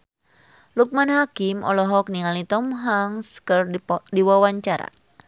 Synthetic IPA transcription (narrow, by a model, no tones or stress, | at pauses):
luk̚manɦakimʔɔ̰lɔɦɔk̚niŋalit̪ɔmɦaŋskərdiwawaɲt͡ʃaɾa̰